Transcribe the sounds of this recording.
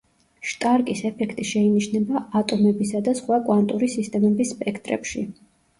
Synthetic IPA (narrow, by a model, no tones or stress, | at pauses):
ʃt̪ʼaɾkʼisɛpʰɛkʰt̪ʼiʃɛiniʃnɛbaat̪ʼɔmɛbisad̪asχwakʼwant̪ʼuɾisist̪ʼɛmɛbisːpʼɛkʰt̪ʼɾɛ̰pʃi